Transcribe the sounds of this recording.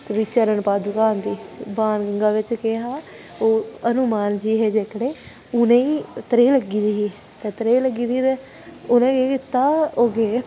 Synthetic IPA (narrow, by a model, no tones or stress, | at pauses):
t̪ʋit͡ʃəɾənpaːd̪ʊkaːnd̪iːbaːnɡəŋɡaːʋɪt͡ʃkeɦaː | oːənʊmaːnd͡ʒiːɦeːd͡ʒeːkɽeː | ʊnẽːiːt̪əɾeːləɡiːd̪iːɦiː | t̪ɛːt̪əɾeːləɡiːd̪iːt̪eː | ʊnẽːkeːkɪt̪ːaːoːɡeː